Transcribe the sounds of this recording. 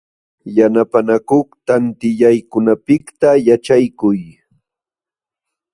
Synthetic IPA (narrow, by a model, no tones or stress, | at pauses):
janapanakoχt̪ant̪ɪʎajkʊnapɪkt̪ajat͡ʃajkʊj